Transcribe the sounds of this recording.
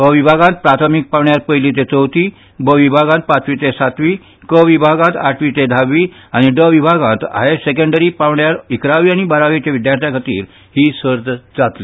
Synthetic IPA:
bəʋibʱaɡãnt̪̚pɾat̪ʰəmik̚paʋɳjaɾpəjlit̪̬et͡səwt̪i | bʱəʋibʱaɡãnt̪̚pat̪ʰʋit̪esat̪ʋiː | kəʋibʱaɡãt̪aʈʰʋit̪ed̪ʱaʋːi | aɽ̃iɖəʋibʱaɡãnt̪a̰ɦesek̬əɳɖəɾipaʋɳjaɾikɾaʋiaɽ̃ibaɾaʋet͡ɕaʋid̪jaɾt̪ʰjakʰət̪ḭːɾ | hiːsəɾd̪d͡zat̪li

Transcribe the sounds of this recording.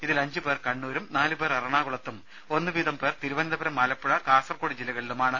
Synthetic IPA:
iðilɐɲd͡ʑɨpe̞ːrkɐɳːuːɾumnaːlɨpe̞ːrɐrɐɳaːɣuɭɐt̪ːum | o̞nːɨʋiːðɐmpe̞ːrt̪iɾuʋɐnd̪ʱɐbɐɾɐmɐːlɐpːuɻɐkaːsɐrkoɽid͡ʑilːɐɣɐɭilumaːɳɨ

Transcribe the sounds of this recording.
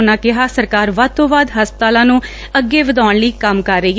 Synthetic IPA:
nãːkɪɦaːsəɾkaːɾʋaːd̪̚t̪ʰõːʋaːd̪ɦəspət̪aːlãːnũː | əɡːeːʋəd̪aːɳliːkəmkəɾːəːɡ

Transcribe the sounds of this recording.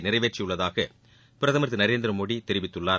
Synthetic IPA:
nɪrɐɪʋeːʈt͡ʃːɪjɯɭːɐðaːɣɐ | pɪɾɐðɐmɐɾt̪ːɯnɐɾeːnd̪ɪɾɐmoːɽit̪ɛɾɪʋɪt̪ːɯɭːaː

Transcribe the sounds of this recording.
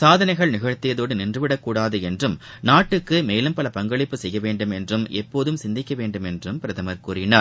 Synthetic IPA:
saːðɐnɐɪɣɐɭnɪɣɐɻt̪ːɪjɐðoːɽɯnɪndrɯʋɪɽɐkːuːɽaːðɯɛndrɯmnaːʈːɯkːɯmeːlɯmpɐlɐpɐŋɡɐɭɪpːɯsɛjːɐʋeːɳɖɯmɛndrɯmʔɛpːoːðɯmsɪnd̪ɪkːɐʋeːɳɖɯmɛndrɯmpɪɾɐðɐmɐɾkuːɾɪna

